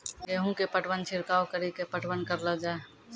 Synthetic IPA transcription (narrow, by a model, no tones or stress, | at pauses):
ɡeːɦũkepəʈʰwənt͡ʃʰɪɾkaːwkəɾikepəʈʰwənkəɾləd͡ʒaːe